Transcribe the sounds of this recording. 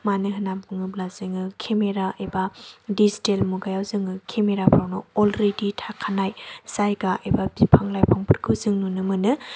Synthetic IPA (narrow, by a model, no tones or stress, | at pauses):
manɯɦɯnampɯŋɯblaz̥ɯŋɯkʰemeɾaʔebadizitelmuɡajawzɯŋɯkʰemeɾapʰɾawnɯɔlɾeditʰakʰanajzajɡaʔebabipʰaŋlajpʰaŋpʰɯɾɡʰɯwzɯŋnunɯmɯnɯ